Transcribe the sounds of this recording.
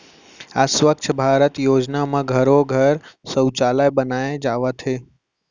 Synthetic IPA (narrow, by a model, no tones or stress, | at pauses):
asʋəkt͡ʃʰəbʱaɾət̪jod͡ʒnamãɡʱəɾoɡʱəɾsəwt͡ʃalajbənaed͡ʒaʋat̪ʰe